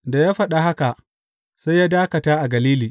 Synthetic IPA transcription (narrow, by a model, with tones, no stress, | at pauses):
da˨jaː˦ɸɐ˦ɗa˨ɦa˦ka˨ | sa˦jːaː˦daː˦kɐ˨taː˦ʔa˨ɡɐ˨liː˦liː˨